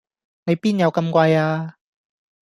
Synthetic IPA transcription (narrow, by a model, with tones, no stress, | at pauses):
ne˨˧jpiː˥njɐ˨˧wkɐ˧mkʷɐ˧jaː˧